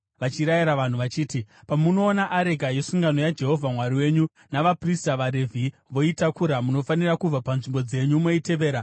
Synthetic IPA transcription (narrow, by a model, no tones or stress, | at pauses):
ʋat͡ʃiɾajiɾaʋan̤uʋat͡ʃiːtipamuno̞ːnaʔːɾe̞ɡʱaje̞suŋɡano̞jad͡ʒe̞ɦo̞vʱamwaɾiwe̞ɲu | naʋapristaʋaɾe̞vʱi | ʋo̞itakuɾamuno̞fanirakub͡vapanʐimbo̞d͡ze̞ɲumo̞ite̞ʋe̞ːɾa